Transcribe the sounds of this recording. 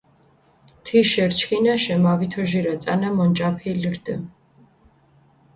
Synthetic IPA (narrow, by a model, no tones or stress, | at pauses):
t̪ʰiʃɛɾt͡ʃʰkʼinaʃɛmavit̪ʰɔʒiɾat̪t͡s̪ʼa̰namɔnt͡ʃʼapʰilɾd̪ə̰